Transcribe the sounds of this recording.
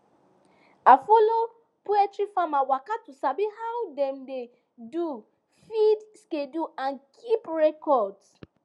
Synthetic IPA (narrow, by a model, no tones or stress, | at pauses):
afolo | poɛtɾifamawakatusabihawdɛ̃mde | du | fidskeduãnkʰipɹɛkɔds